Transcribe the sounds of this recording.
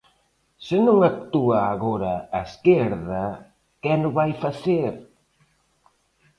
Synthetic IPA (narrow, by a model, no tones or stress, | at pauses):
sɪnũŋak̚t̪uaːɣoɾɐaeskeɾðɐ | kɛnʊβajfaθeɾ